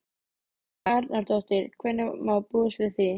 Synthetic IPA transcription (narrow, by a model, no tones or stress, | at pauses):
aɾnaɾt̪ɔst̪ɪɾkʰvɛnːɪmawpusvɪθɪ